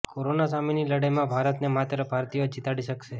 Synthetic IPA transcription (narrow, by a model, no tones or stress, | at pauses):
koɾonasaminiləɽəjmãbʱaɾət̪nemat̪ɾəbʱaɾt̪ijod͡ʒit̪aɽiʃəkʃe